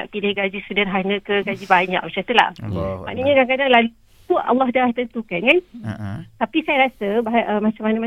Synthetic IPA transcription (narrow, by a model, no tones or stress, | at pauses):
aʔpilɪhɡad͡ʒisudarɦanə̃kəɡad͡ʒibaɲa̰k̚mat͡ʃat̪əla̰hmaʔnəɲãkaŋkadaŋlal | uʔɑ̰lːɑɦdaht̪ənt̪ukankan | t̪apisajaɾasəbaɦʔəmat͡ʃamanəma